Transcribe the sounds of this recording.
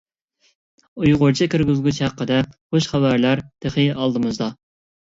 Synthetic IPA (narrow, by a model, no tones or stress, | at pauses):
ujʁʊɾt͡ʃʰɪkʲʰyɾɡʲyzɡʲyt͡ʃhæqʰːəd̪ɛχoʃχæbæɾlæɾd̪̥eχɨɑlˠd̪ɨmɨzd̪ɑ